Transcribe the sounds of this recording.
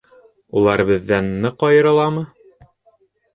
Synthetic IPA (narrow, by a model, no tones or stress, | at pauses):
ulˠɑɾbɘ̆ðːænːɤqɒjɤ̆ɾɤ̆lˠɑmɤ